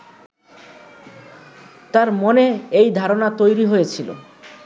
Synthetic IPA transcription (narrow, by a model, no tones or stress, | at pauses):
t̪aɾmoneejd̪ʱaɾonat̪ojɾiɦojet͡ɕʰilo̰